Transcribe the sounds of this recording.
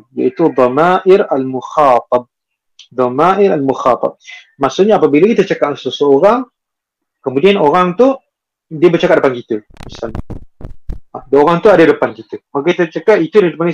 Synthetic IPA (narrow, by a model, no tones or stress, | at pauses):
ja̰ʔit̪ud̪ˤɑmaʔɪɾalmuxɑːt̪̚ɑb̚ | d̪ˤɑmaʔɪɾalmuxɑt̪ˤɑ̰b̚ | masuʔɲaːpabilakit̪ət͡ʃakaʔsəusəoɾaŋ | kəmudianoɾaŋt̪u | diəbət͡ʃakaʔ̚dəpankit̪ə | misalɲa | adaoɾaŋt̪uadadəpankit̪əmakakit̪ət͡ʃakaʔit̪udadəpana